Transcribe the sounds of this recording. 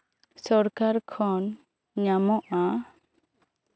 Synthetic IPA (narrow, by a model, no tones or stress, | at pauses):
sɔɾkaɾkʰɔn | ɲamɔʔa